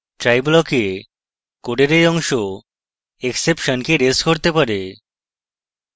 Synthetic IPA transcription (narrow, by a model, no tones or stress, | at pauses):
ʈɾajblɔke | koɖeɾejɔŋʃo | eksepʃonkeɾeskoɾt̪epaɾe